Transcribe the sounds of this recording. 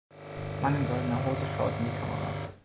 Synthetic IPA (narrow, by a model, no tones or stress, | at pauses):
manɪnɡɔldənəɦoːzəʃaʊtn̩diːkʰamə̰ʁa̰